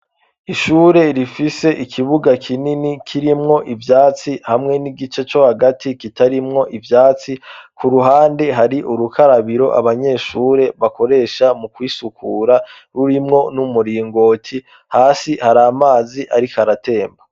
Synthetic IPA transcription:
iʃuːɾe̞ɾifise̞ʔikʰiβuɡakʰininikʰiɾimŋo̞ʔivjaːt͡sihamŋe̞niɡit͡ʃe̞t͡ʃo̞haɡatʰikitaɾimŋo̞ʔivjaːt͡sikuɾuɦaːnde̞ɦaɾiʔuɾukʰaɾaβiɾo̞̰ʔa̰βaɲe̞ʃuːɾe̞βako̞ɾe̞ːʃamukwiːsukʰuːɾa | ɾuɾimŋo̞numuɾiːŋɡo̞ːtʰi | haːsihaɾaːmaːziʔaɾikaɾate̞ːmba

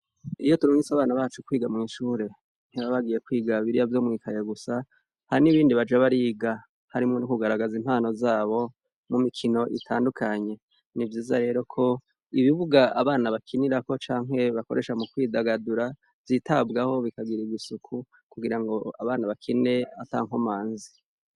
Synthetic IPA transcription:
ijo̞tuɾoŋisaβaːnaβaːt͡ʃukwiːɡamŋiʃuːɾe̞ | n̥hiβaβaɡiːje̞kwiːɡaβiɾijavjo̞ːmŋiːkʰajoɡusa | haɾiniβiːndiβad͡ʒaβaɾiːɡa | haɾimŋonukuɡaɾaɡazim̥haːno̞zaːβo̞ | mumikʰino̞ʔḭtʰaːndukʰaɲe̞ | nivjiːzaɾe̞ːɾo̞kʰo̞ | iβiβuɡaaβaːnaβakʰiniɾako̞t͡ʃaːŋɦe̞βako̞ɾʔe̞ʃamukwiːdaɡaduɾa | viːtʰabɡaho̞βikaɡiɾiɡisukʰu | kuɡiɾaŋɡo̞aβaːnaβakʰine̞ata̰ːŋ̥homaːnzi

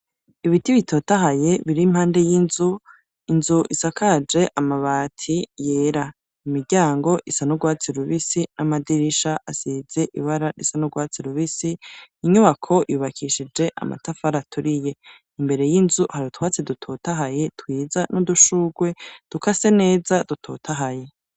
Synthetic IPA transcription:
iβitiβitʰo̞ːtaɦaje̞βiɾim̥haːnde̞jinzu | inzuʔisakʰad͡ʒe̞ʔamaβaːtʰije̞ːɾa | imiɾɟaːŋɡo̞ʔisanuɡwaːt͡siɾuβisinamadiɾiʃaʔasize̞ʔḭβaɾaɾisanuɡwaːt͡siɾuβisiiɲuβakʰo̞ʔuːβakʰiʃid͡ʒe̞ʔa̰ma̰tafaɾatʰuɾije̞ | imbe̞ɾe̞jinzuhaɾitwaːt͡sidutʰotaɦaje̞twiːzanuduʃuːɡwe̞d̥ukase̞ne̞ːzad̥utʰo̞̰tʰaɦaje̞

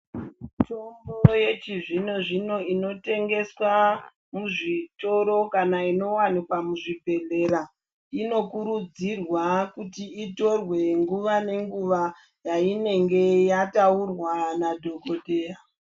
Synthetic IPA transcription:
to̞mboje̞t͡ʃiʐino̞ʐino̞ino̞te̞ŋɡe̞swa | muʐito̞ɾo̞kanaino̞wanikwamuʐibʱe̞ɮe̞ɾa | ino̞kuɾud͡zirwakutiito̞rwe̞ŋɡuʋane̞ŋɡuʋa | jaine̞ŋɡe̞jataurwanadʱo̞ko̞te̞ːra

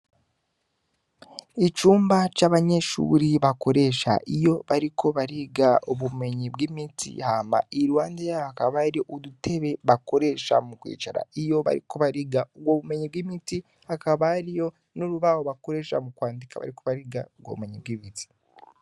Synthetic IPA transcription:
it͡ʃuːmbat͡ʃaβaɲe̞ʃṵːɾiβako̞ɾe̞ʃa̰ʔijo̞βaɾikʰo̞βaɾiɡaoβume̞ɲibɡimitʰḭhaːma̰iɾwaːndijaakaβaɾioʔudutʰe̞βe̞βako̞ɾe̞ʃa̰mukwḭːt͡ʃaɾa̰ijo̞βa̰ɾḭkʰo̞βaɾiɡaoɡwoːβume̞ɲib̚ɡimiti | hakaβaɾijo̞ | nuɾuβawoβako̞ɾe̞ːʃa̰mukwaːndikaβa̰ɾiko̞βaɾiɡaoɡwo̰βume̞ɲib̚ɡimiti̥

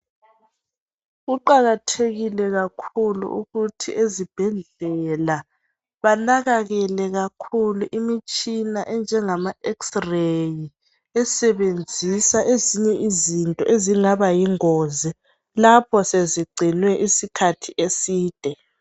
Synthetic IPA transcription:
ɣuǃaɣatʰeɣilɛɣakʰulṵʔṵɣutʰḭʔezib̥ʱɛɮɛla | βanaɣaɣɛlɛɣakʰuluʔimit͡ʃʼinaʔɛnd͡ʒʱɛŋamaɛksreji | ɛsɛβend͡zʱisaʔeziɲɛʔizintʼɔʔeziŋaβajiŋɔzi | lapʰɔseziɡ͡ǀʱinwɛʔisikʰatʰiʔesiːd̥ʱɛ

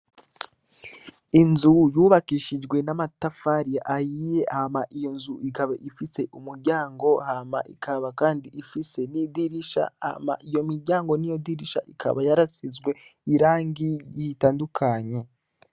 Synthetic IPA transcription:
inzujuːβakiʃid͡ʒɡwe̞namatafaɾijaʔajije̞ʔahmaʔijo̞nzuikaβaʔifise̞ʔumuɾɟaːŋɡo̞hama̰ʔḭkʰaβakaːndiifise̞nidiɾiʃa̰a̰ma̰ʔijo̞miɾɟaːŋɡo̞nijo̞diɾiʃa̰ʔikʰa̰βajaɾasizɡwe̞iɾaːŋɡijitaːndukʰaɲe̞

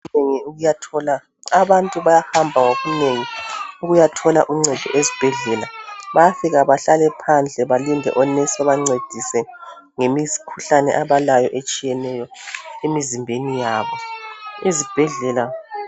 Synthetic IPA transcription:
neŋiuɣujatʰɔla | aβantʼuβajahambʱaŋoɣuneŋiuɣujatʰɔlaʔuŋ͡ǀɛd̥ʱɔ̰ʔezib̥ʱɛɮɛlaβajafiɣaβaɬalɛpʰand͡ɮʱɛβalindʱɛ̰ʔɔnɛsɔβaŋ͡ǀed̥ʱisɛ | ŋemizi̥kʰuɬanɛ̰ʔaβalajɔʔet͡ʃʼijɛnɛjɔemizimbʱenijaːβɔizib̥ʱɛɮɛla

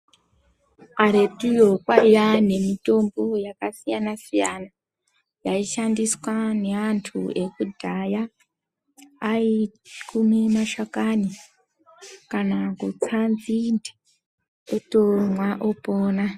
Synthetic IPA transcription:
aɾetujokwajane̞mito̞mbojakasijanasijana | jaiʃandiswane̞antʰṵe̞kudʱaja | it͡ʃi̥kumimaʃakani | kanakut͡sand͡zinde̥ | otomwaʔopoːna

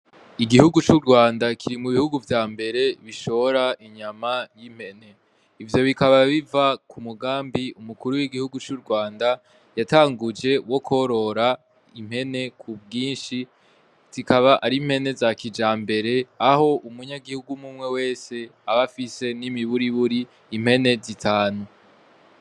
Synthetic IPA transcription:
iɡihuɡut͡ʃuɾɡwaːndakʰiɾimuβihuɡuvjaːmbe̞ɾe̞βiʃo̞oɾaʔiɲamajim̥he̞ne̞ | ivjo̞βikaβaβivakʰumuɡaːmbiumukuɾuwiɡihuɡut͡ʃuɾɡwaːnda | jataːŋɡud͡ʒe̞wo̞kʰo̞ɾo̞ɾa | im̥he̞ne̞kʰubɡiːnʃi | z̥ikaβaʔaɾim̥he̞ne̞zakid͡ʒaːmbe̞ɾe̞aho̞ʔumuɲaɡihuɡumumŋe̞we̞ːse̞aβafise̞nimiβuɾiβuɾiː | m̥he̞ne̞zitʰaːnu

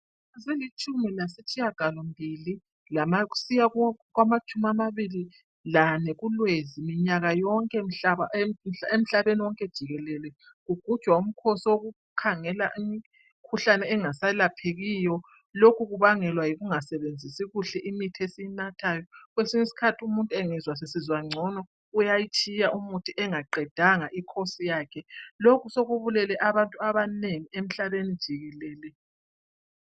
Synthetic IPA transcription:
aselit͡ʃʼumilasit͡ʃʰʼijaɡ̥ʱalɔmbʱili | lamaɣu̥sijaɣwamat͡ʃʼumamaβili | lanɛɣulwezimiɲaɣajɔŋkʼɛm̩ɬaaem̩ɬaβeniwɔŋkʼɛd̥ʒ̥ʱiɣɛlɛlɛ | ɣuɡ̥ʱud̥ʒ̥ʱwaum̩kʰosiwoɣu | kʰaŋɛlaʔimi | kʰuɬanɛːŋasalapʰeɣijɔ | lokʰuɣuβaŋɛlwajiɣuŋasɛβend͡zʱisiɣuɬɛʔimitʰesijinatʰajɔɣwesiŋisi̥kʰatʰiumuntʼeŋɛzwas̬esizwaŋ͡ǀʱɔnɔ | ujajit͡ʃʼijaʔumutʰiʔɛŋaǃɛd̥ʱaŋaʔikʰosijaːkʰɛlokʰusoɣuβulɛlɛʔaβantʼuaβaneŋiem̩ɬaβenid̥ʒ̥ʱiɣɛlɛːlɛ

